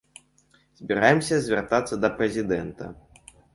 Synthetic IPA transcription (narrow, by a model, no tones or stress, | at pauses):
z̥ʲbʲiɾajɛmsʲɐzʲvʲɛrt̪at̪sːɐd̪ɐpɾɛzʲid̪ɛnt̪ɐ̰